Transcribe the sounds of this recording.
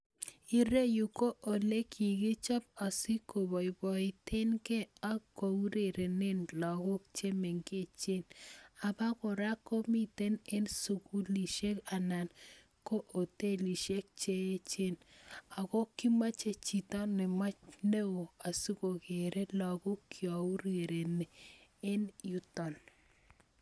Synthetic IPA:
i˨ɾe˦ju˨ko˦ʔo˨le˦kʰi˨ɡi˦t͡ʃɔ˦p̚a˨si˦ko˨bɔ˨i˨bɔ˨ɪ˦tʰe˦nkɛ˦a˦ko˨u˦ɾe˨ɾe˨nɪ˦nlɔ˨ɡɔ˦k̚t͡ʃe˦me˨ŋke˦˨t͡ʃe˦na˨ba˦kɔ˨ɾa˦ko˦mi˦t̪e˦ne˦nsu˨ku˦li˨ʃe˦ka˨na˨n | ko˦ʔo˨te˦li˨ʃe˦k̚t͡ʃe˦e˦t͡ʃe˦na˨kɔ˦ki˦ma˦t͡ʃe˦t͡ʃi˨tɔ˦nːɛ˨ma˦ne˦o˨a˨su˦ko˨ke˨ɾe˦lɔ˨ɡɔ˦kʰjɔ˨u˦ɾe˨ɾe˨ne˨e˦nju˦tɔ˨n

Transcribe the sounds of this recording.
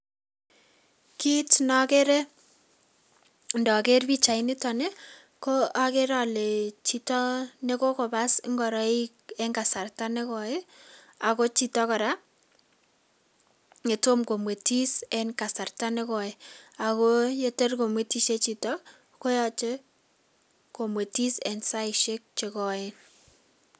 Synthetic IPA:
ki˦tnɔ˨ke˦ɾɛ˦ | ndɔ˨ke˦rpi˦t͡ʃa˨i˦nɪ˦tɔ˨ne˦ | ko˦a˦ke˦ɾa˨le˨t͡ʃi˦tɔ˦ne˦ko˦ko˨ba˦sŋɡɔ˨ɾɔ˦i˦kɛ˦ŋɡa˨sa˨rta˦ne˦kɔ˨e˦ | a˨ko˦t͡ʃi˦tɔ˦kɔ˨ɾa˦ | ŋe˨to˦mko˨mwe˨ti˦sɛnka˨sa˨rta˦ne˦kɔ˨e˦a˨ko˦je˦te˦rko˨mwe˨ti˦ʃe˦t͡ʃi˨tɔ˦k | ko˦jɔ˦t͡ʃe˦ | ko˨mwe˨ti˦sɛ˨nsa˦iʃe˦k̚t͡ʃe˨kɔ˨en

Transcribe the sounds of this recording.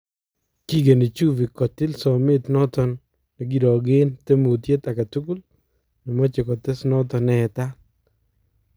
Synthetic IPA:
ki˦ɡe˨ni˨t͡ʃu˦vi˨kɔ˨tɪ˦lsɔ˨mɪ˦tnɔ˦tɔ˨nː | ɛ˨ɡi˨ɾɔ˨ɡe˦nte˦mu˨t̬je˦ta˨ka˨tu˦ku˦l | nɔ˨mɔ˦t͡ʃɪ˨kɔ˨tɪ˦snɔ˦tɔ˨nɛ˨ta˦

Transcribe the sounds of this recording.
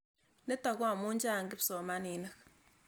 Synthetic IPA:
ne˦ta˨kwa˦˨mu˦ɲd͡ʒa˦˨ŋɡi˦pso˨ma˦ni˨na˦k

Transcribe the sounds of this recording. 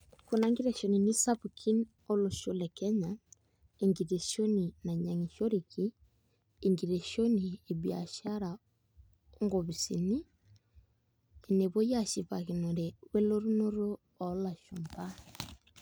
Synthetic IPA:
ku˨na˨ŋɡi˦ɾe˨ʃo˨ni˨ni˦sa˦pukʰi˦n | o˦lo˨ʃo˦lɛ˨kɛ˦ɲa˨ | e˨ŋɡi˨ɾe˨ʃo˦ni˨na˨ɲa˨ŋi˨ʃo˦ɾi˨kiː˦˨ | ŋɡi˨ɾe˨ʃo˦ni˨e˨bia̰˨ʃa˦ɾa˨ | ŋɡo˨βi˨sḭ˨ni˦ | e˨ne˨βo˦ja˦ʃi˨βa˨ki˨no˨ɾɛ˨wɛ˦lo˦ɾu˦no˦ɾoː˦˨ | la˨ʃu˨mba˦

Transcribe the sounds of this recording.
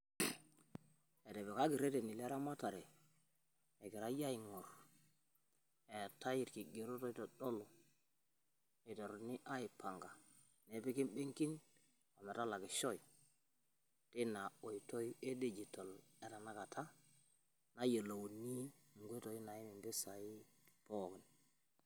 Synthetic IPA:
e˨te˨be˨ka˦ɡi˨ɾe˦te˨ni˨le˦ɾa˦ma˦ta˨ɾe˨ | e˨ke˨ɾa˦ja˦i˨ŋo˨ɾ | e˨ta˦ji˨ɾki˨ɡe˨ɾo˦to˦i˦to˨do˦lo˨ | e˨to˨ɾni˦ʔa˦i˨pʰa˨ŋɡa˨ | ne˨˦pi˦ki˦nbe˦ŋki˦n | ko˨me˨ta˦la˨ɡe˨ʃo˦j | ti˦na˨o˨ji˨to˦je˦de˦d͡ʒi˨to˨le˨ta˨na˦ka˨tʰa˦ | na˦jə˨lo˨wni˦˨ŋɡʷe˦to˨ji˦na˨ji˦mi˨mbe˦sa˨i˦po˦˨ki˨n

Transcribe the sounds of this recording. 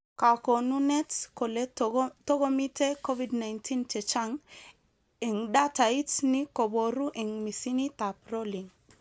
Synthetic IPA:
ka˨ko˨nu˦nɛ˦tskɔ˨le˦tɔ˦ɡɔ˦mi˦te˦kɔ˦vi˦dna˨jntʰi˦nt͡ʃɛ˨t͡ʃa˦ŋ | i˨ŋda˦ta˨i˦tni˦kɔ˨bɔ˨ɾu˦ʔi˨ŋmi˨si˦ni˦ta˨pɾo˦li˨ŋ

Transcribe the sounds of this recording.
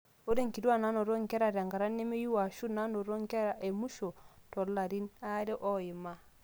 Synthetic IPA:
o˦ɾe˦˨ŋ˨ki˨dwa˦˨na˨˦no˨ɾo˦ŋ˨kɛ˦ɾa˨ɾa˨ŋɡa˨ɾa˦nːe˦me˦ju˦wa˨ʃu˦na˦no˨ɾo˦ŋ˦kɛ˦ɾa˨ʔe˨mu˦ʃo˨tɔ˨lla˨ɾi˦na˦ɾe˦ʔɔ˦ji˨ma˦

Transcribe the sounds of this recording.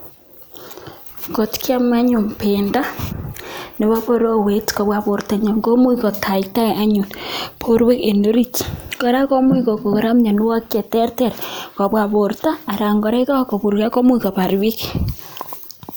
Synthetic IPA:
ko˨tkja˦mwa˦ɲu˨mpe˨nda˦ | ne˨βa˦βo˦ɾo˦we˨˦tko˨βwa˨βo˨ɾta˨ɲo˨ŋɡo˦mu˦i˦ko˨tʰa˨ita˦e˨ʔa˦ɲu˨npʰo˦ɾwe˦ke˨ndo˦ɾi˦tko˦ɾa˦ko˦mwi˦ko˨ko˨ko˨ɾa˦mɲa˨nu˦wa˦ke˨te˦ɾte˦˨ɾka˨βwa˨βo˨ɾtaː˦˨ɾa˨ŋɡo˨ɾe˦ka˦ko˨βu˨ɾka˦ko˦mwi˦ko˨pa˨ɾwi˦k

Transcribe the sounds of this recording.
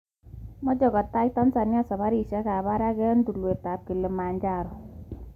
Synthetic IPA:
mɔ˦d͡ʒɔ˨ɡɔ˨tːa˦j̚ta˦nsa˨nja˦sɔ˨ba˦ɾi˦˨ʃɛ˦ka˨ba˦ɾa˦ɡɛ˦nd̪u˨lu˨e˨ta˨p̚ki˨le˨ma˨ɲd͡ʒa˦˨ɾɔ˨

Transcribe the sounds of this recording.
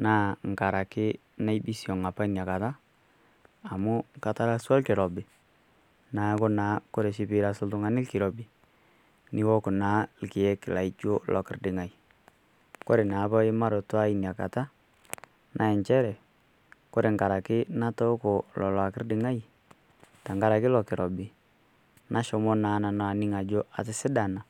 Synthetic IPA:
naː˦ŋ̩˨ka˨ɾa˨kɪ˦ | na˦i˦bi˦si˨ɔ˨ŋa˨pa˦i˦nja˨ka˨ta˦˨ | mʊ˦ŋ˦ka˨ta˦la˦swa˦lkɪ˨ɾɔ˨bɪ˨ | na˨˦kʊ˦na˨˦kɔ˦ɾe˨ʃɪ˨bɪ˨ɾa˨sʊ˦ltʊ˦ŋa˨nɪ˦lkɪ˨ɾɔ˨bɪ˨ | nɪ˦wɔ˦kʊ˨na˨˦lkɪ˨ɛ˦kɪ˨la˨i˦t͡ʃo˦lʔɔ̰˨kɪ˦ɾdɪ˨ŋa˨i˨ | ko˦ɾe˨na˨˦bɔ˦ɪ˦ma˦ɾo˨twa˦i˨n˨a˨ka̰˨ta˦ | nʔa˨ɛ˨ɲt͡ʃɛ˦ɾɛ˨ | ko˦ɾe˨ŋka˨ɾa˨kɪ˦na˦tɔ˦ko˨lɔ˨la˨kɪ˦rdɪ˨ŋa˦i˨ | ta˨ŋɡa˨ɾa˨kɪ˦lɔ˨kɪ˨ɾɔ˨bɪ˨ | nʔa˨˦ʃɔ˨mɔ˦naː˨˦na˨na˨a˨nɪ˦ŋa˨d͡ʒo˦a̰˨sɪ˦sɪ˦da˨na˨

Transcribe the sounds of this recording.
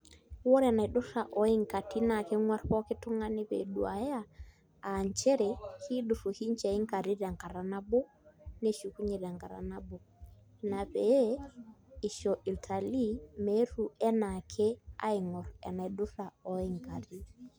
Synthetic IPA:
wɔ˦ɾɛ˨na˨ɗʊ˦sa˨ʔɔ˨˦i˦ŋka˨ti˦na˨kɛ˦ŋwa˦ɾpɔ˦kɪ˦tʊ˦ŋa˦ni˦pḛ˨ɗu˨a˨jaː˦˨ | ɲt͡ʃɛ˦ɾɛ˨hi˦ɗʊ˨fu˨ki˦ɲ˦t͡ʃɛ˨ɪ˦ŋka˨ɾi˦da˨ŋka˨ɾa˨na˦bo˦ | ne˦ʃu˨ku˦ɲe˨ɾa˨ŋka˨ɾa̰˨na˦bo˨ | na˨pe˨˦ | ɪ˨ʃɔ˨ʔi˨ltʰa˨li˦me˨˦ɾu˨ɛ˦na˨kʰe˦a̰˦ɪ˨ŋɔ˨ɾɛ̰˨na˨i˨ɗʊ˦sa˨ɔ˨i˦ŋka˨ti˦

